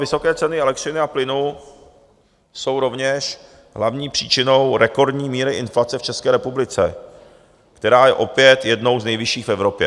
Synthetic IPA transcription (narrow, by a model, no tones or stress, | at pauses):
vɪso̞kɛːt͡sɛnɪɛlɛkt̪rɪnɪaplɪnu | so̞wɾo̞vɲɛʃ | ɦlavɲiːpr̝̥iːt͡ʃɪno̞wɾɛko̞ɾdɲiːmiːɾɪʔɪnflat͡sɛft͡ʃɛskɛːɾɛpublɪt͡sɛ̰ | kt̪ɛɾaːjɛʔo̞pjɛt̪jɛdno̞wznɛjvɪʃiːxfɛvɾo̞pjɛ̰